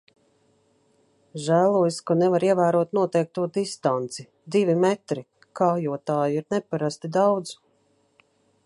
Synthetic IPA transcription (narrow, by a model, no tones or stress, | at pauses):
ʒæːlˠuɔjskanɛvaɾiɛvæːɾuɔt̪nuɔt̪ɛjk̚t̪uɔd̪ist̪ant̪si | d̪ivʲimɛt̪ɾi | kaːjuɔt̪aːjiɾnɛpaɾast̪id̪awd̪z